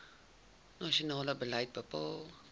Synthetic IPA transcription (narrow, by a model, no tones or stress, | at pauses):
nɑʃionɑːləbələjt̚bəpɑːlˠ